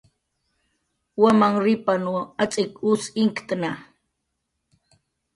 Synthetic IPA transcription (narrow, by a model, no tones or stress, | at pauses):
wamaŋɾɪpanuat͡sʼɪkusɪŋkt̪na